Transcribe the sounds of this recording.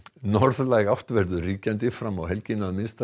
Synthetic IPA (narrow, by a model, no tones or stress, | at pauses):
nɔɾðlajɣaht̪vɛɾðʏriːcant̪ɪfɾamawɦɛlcɪnaðmɪnst̪a